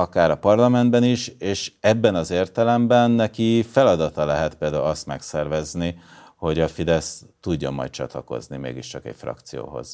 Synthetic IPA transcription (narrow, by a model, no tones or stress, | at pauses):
ɒkaːɾɒpɒrlɒmɛnd̪̚bɛniʃeːʃɛbːɛnɒzeːrt̪ɛlɛmbɛnːɛkifɛlɒd̪ɒt̪ɒlɛɦɛt̪̚peːld̪aːulɒst̪mɛksɛrvɛzni | ho̞ɟɒfid̪ɛst̪uɟːɒ̰mːɒ̰j̚t͡ʃɒ̰t̪lɒko̞̰znimḛːɡiʃt͡ʃɒkɛ̰cfrɒ̰kt̪sijo̰ːɦo̞̰z̥